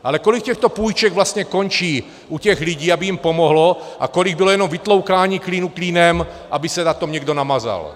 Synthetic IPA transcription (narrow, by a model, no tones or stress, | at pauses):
ʔalɛkolik̚cɛxt̪opuːjt͡ʃɛɡvlast̪ɲɛkont͡ʃiː | ʔucɛɣlɪɟiːabɪjimpomoɦloʔa̰koliɡ̚bilojɛnomvɪt̪lowkaːɲiːkliːnukliːnɛm | ʔabɪsɛnat̪omɲɛɡdonamaza̰l